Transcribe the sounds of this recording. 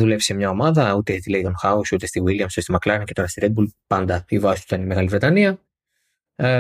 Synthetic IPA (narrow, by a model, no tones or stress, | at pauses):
ðule̞vise̞mɲɐo̞mɐðɐut̪e̞t̪ileit̪onxɐusut̪e̞st̪iwiliɐmsst̪imɐklɐɾɐnce̞t̪oɾɐst̪iɾed̪bulpɐnd̪ɐivɐsi̥st̪ut̪ɐnimeɣɐlivɾe̞t̪ɐniɐ